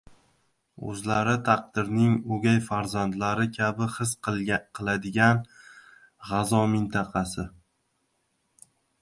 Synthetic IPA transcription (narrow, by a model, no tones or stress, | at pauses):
ɵ̰zlaɾɪt̪ʰaq̚d̪ɪɾnɪŋɵɡʲajfaɾzand̪laɾɪkʲʰabɪχɨsqqʰɨlˠad̪ɪɡʲan | ʁɑzɒmɪnt̪ʰɑqʰɑsɪ